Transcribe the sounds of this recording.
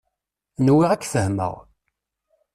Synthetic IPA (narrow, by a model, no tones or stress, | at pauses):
nwiʁækːθəhmə̰ʁ